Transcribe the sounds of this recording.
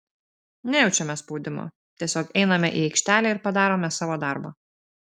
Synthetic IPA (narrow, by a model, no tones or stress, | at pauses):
nʲɛjɛʊt͡ʃʲɛmʲɛspɒʊd̪ʲɪmo̰ː | t̪ʲiɛsʲoːkɛɪnɐmʲɛʔiːɛɪkʲʃʲt̪ʲæːlʲɛːɪɾpɐd̪ɑːɾoːmʲɛsɑːʋoːd̪ɑˑɾbɐ̰ː